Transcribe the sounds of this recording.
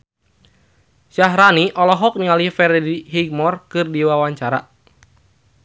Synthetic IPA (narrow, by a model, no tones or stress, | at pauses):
ʃaɦɾaniʔɔlɔɦɔk̚niŋalihfɛrdiɦiɡ̚mɔrkɨrdiwawaɲt͡ʃaɾa